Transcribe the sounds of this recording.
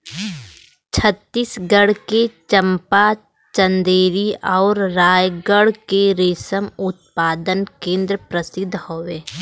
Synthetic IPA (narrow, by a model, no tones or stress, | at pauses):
t͡ʃʰət̪ːisɡəɽket͡ʃəmpa | t͡ʃə̃nd̪eːɾiɔːɾɾaːjɡəɽkeɾeːsəmʊt̪̚paːd̪ənkẽːnd̪ɾəpɾəsɪd̪ʱːhoːʋeː